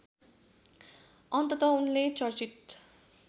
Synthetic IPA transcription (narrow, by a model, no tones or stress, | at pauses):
ʌnt̪ʌt̪ʌunlet͡sʌrt͡sit̪